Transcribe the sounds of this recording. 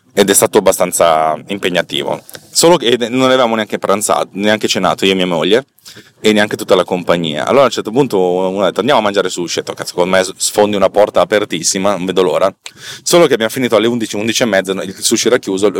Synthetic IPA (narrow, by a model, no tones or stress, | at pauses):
ed̪ɛst̪aːt̪oabːast̪ant̪sa̰impeɲːat̪ḭːvo̰soːlokenːonːeavevaːmoneaŋkepaɾant̪sa̰ːt̪oneaŋket͡ʃena̰ːt̪oiːomiamoʎːe | eneaŋket̪ut̪ːalakompaɲːḭːa̰ʔa̰lːoːɾaunt͡ʃɛrt̪opunt̪ound̪ɛt̪ːoand̪amoamːand͡ʒaːɾesut͡ʃet̪okːase̥kond̪omessfond̪iunapɔrt̪aːpert̪isːimanoɱved̪oloːɾasoːlokeabjamofiniːt̪oalːeund̪it͡ʃiund̪it͡ʃiemːɛd̪zeilsuʃoɛɾakːjuːzo